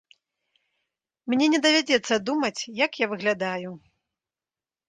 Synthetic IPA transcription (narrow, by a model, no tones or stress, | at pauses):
mnʲɛnʲɛd̪ɐvʲad͡zʲɛt̪sːɐd̪umɐt͡sʲjakjavɨɣlʲad̪aju